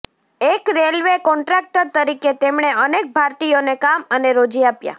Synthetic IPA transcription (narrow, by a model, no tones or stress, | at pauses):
ekɾelʋekɔɳʈɾɛk̚ʈəɾt̪əɾiket̪emɳ̃eənek̚bʱaɾt̪ijonekaməneɾod͡ʒiapja̰